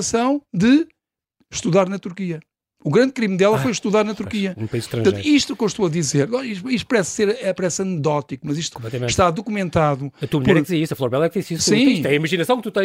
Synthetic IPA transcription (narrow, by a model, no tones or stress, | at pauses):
sɐ̃w̃d̪ɨ | ʃt̪uðaɾnɐt̪uɾkiɐ | uɣɾɐ̃nd̪̚kɾimd̪ɛlˠɐfojʃt̪uðaɾnɐt̪uɾkiɐũpɐizʃt̪ɾɐ̃ʒɐ̃t̪iʃt̪ukõʃt̪uɐðizeɾnɔ̃iʃiʃt̪u̥pɐɾɛsːeɾɛpɐɾɛsɐnɨðɔt̪ikumɐziʃt̪u̥kõplˠɛt̪ɐẽʃt̪aðukumẽnt̪aðuɐt̪uɐmʎɛɾɛd̪izeɾisɐflˠɔɾβɛlˠɛkd̪isissĩʃt̪ɛɐimɐʒinɐsɐ̃w̃k̚t̪ut̪ɐ̃j̃